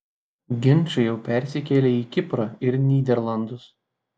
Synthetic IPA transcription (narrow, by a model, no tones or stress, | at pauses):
ɡʲɪnʲˑt͡ʃʲʊjɛʊpʲɛˑɾʲsʲɪkʲɛːlʲeːiːkʲɪpɾɐɪɾnʲiːd̪ʲɛɾlˠɐnd̪ʊs